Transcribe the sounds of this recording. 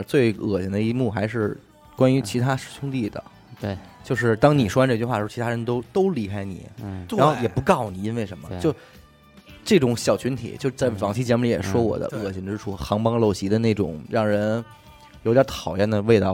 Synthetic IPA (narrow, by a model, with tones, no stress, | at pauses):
t͡swe˥˩ɪɤ̰˨˩ɕi˧˥nd̪ə˧i˧˥mu˥˩xa˧˥ɪʂɻ̩˥˩ | kwa˥ny˧˥t͡ɕʰi˧˥t̪ʰa˥ʂɻ̩˥˩t͡ɕʰʊ˥ŋt̪i˥˩d̪ə̰˩ | t͡ɕjo˥˧ʊʂ̬ɻ̩˥˩t̪ɑ˥ŋni˨˩ʂwɔ˥a˧˥ʈ͡ʂɤ˥˧t͡ɕy˧xwa˥˩˧t͡ɕʰt̪ʰa˥ɻə˧˥nt̪̬o˥ʊt̪o˥ʊli˧˥kʰa˥ɪnḭ˨˩˦ɻnxo˥˩ʊjɛ˨˩pu˧˥kɑ˥˩ʊni˨˩i˥nwe˥˩ɪʂə˧˥nmə˧t͡ɕjo˥˧ʊ | ʈ͡ʂɤ˥˩ʈ͡ʂʊ˧˥˦ŋɕjɑ˨˩ʊt͡ɕʰy˧˥nt̪ʰḭ˨˩˦t͡ɕjo˥˧ʊʂ̩˥t͡sa˥˩ɪfɑ˧˥ŋt͡ɕʰi˧˥˩t͡ɕjɛ˧˥mu˧li˧˥jɛ̰˨˩ʂwɔ˥wɔ̰˨˩d̪ə̰˦ɤ˨˩ɕʰi˧˥ŋʈ͡ʂɻ̩˥ʈ͡ʂʰu˥xɑ˧˥ŋpɑ˥ŋlo˥˩ʊɕi˧˥d̪ə˧ne˥˩ɪʈ͡ʂʊ̰˨˩˦ŋɻɑ˥˩ŋɻə˧˥n | jo˧˥t̪t̪ʰɑ˨˩ʊjɛ˥˩nd̪ə˩we˥˧ɪt̪ɑ˥˩ʊ